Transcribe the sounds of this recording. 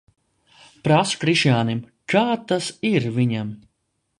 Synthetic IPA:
pɾaskɾiʃjaːnim | kʰaːt̪asiɾvʲiɲam

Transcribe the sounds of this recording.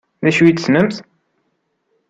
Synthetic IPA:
ðæʃit̪sməmθ

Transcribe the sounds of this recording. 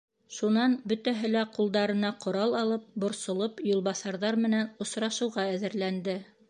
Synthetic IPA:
ʃunɑnbɵ̆t̪æɦɘ̆læqulˠd̪ɑɾɤ̆nɑqŏɾɑlˠɑlˠɤp̚bŏɾsŏlˠɤpjulˠβɑsɑɾðɑɾmɘ̆nænŏsɾɑʃɤ̆wʁɑæðɘ̆ɾlænd̪ɘ

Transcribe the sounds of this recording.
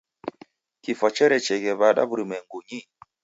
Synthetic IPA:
kifɔt͡ʃɛɾɛt͡ʃɛɡɛβaɗa̰buɾimɛŋɡoɲi

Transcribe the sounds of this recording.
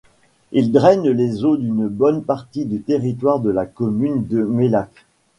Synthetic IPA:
ild̪ʁɛnlezod̪ynbɔnpaʁt̪id̪yt̪eʁit̪̬waʁd̪əlakɔmynd̪əmelak

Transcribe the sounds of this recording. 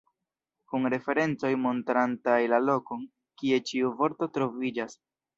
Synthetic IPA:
kunɾe̞fe̞ɾe̞nt͡so̞jmo̞ntɾantajlalo̞ko̞n | kie̞t͡ʃiuvo̞ɾto̞tɾo̞vid͡ʒas

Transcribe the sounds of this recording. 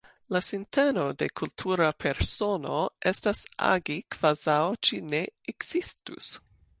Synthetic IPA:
lasinteno̞de̞kʰultʰuɾapʰeɾsono̞ʔestasa̰ɡikv̥azawt͡ʃine̞ekz̥istṵs

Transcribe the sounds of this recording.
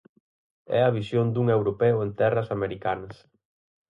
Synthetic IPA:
ɛ̰ɐβ̞isjond̪uŋewɾopɛʊent̪ɛrɐsameɾikanɐs

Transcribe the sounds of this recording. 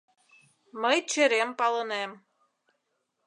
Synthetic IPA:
məjt͡ɕə̆ɾempɑlənem

